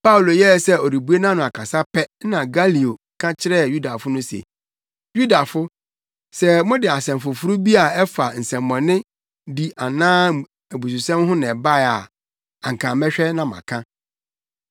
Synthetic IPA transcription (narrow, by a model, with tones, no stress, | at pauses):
pʰa˦u˨lo˨jɛ˦˨sɛ˦ɔ˨ɾi˨bu˨˦e˦nã˦nʊ̃˨a˨kʰa˨sa˦pɛ˦nã˨ɡa˦li˨o˨kʰã˦t͡ɕʰɪ˦ɾɛ˦˨ju˦da˨fʊ˦nʊ̃˦sḛ˨ | ju˦da˨fʊ˦ | sɛ˨mʊ̃˦dɪ˨a˨sɛ̃˨mfʊ˨fʊ˦ɾu˦bi˦a˨ɛ˦fa˨n̩˨sɛ̃˨mmɔ̃˨nɪ̃˦ | di˨a˨nãː˦ | æ˨bu˨s̬u˨sɛ̃˦mɦʊ̃˦nɛ̃˨ba˦˨a˨ | a˨ŋ̩˨kʰã˨mɛ˦ɕᶣɛ˦nã˨mã̰˨kʰã˦